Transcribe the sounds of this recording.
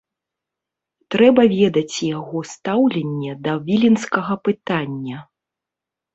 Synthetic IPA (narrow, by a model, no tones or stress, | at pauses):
t̪ɾɛbɐvʲɛd̪ɐt͡sʲjaɣɔst̪awlʲɛnʲːɛd̪ɐvʲilʲinskɐɣɐpɨt̪anʲːɐ